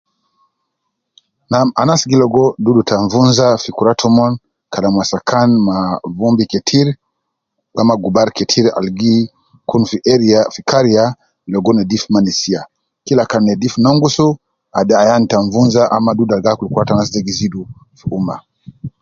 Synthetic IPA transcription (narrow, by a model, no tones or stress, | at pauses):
nama̰nasɡilɔɡɔdudutaɱvunzafikuɾatʰɔmɔn | kalamwasakʰanmavumbikɛtʰiɾ | amaɡubaɾkɛtʰiɾa̰lɡi | kunfiɾafikaɾia | lɔɡɔnɛdifmanɛsia | kilakanɛdifnɔŋɡusu | adaajantaɱvunzaʔamadudalɡakulikuɾatanas̬dɛɡizidu | fiuma̰